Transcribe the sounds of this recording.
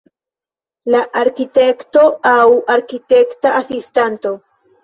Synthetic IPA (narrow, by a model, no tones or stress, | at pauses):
laʔaɾkite̞kto̞awaɾkite̞ktaasistanto̞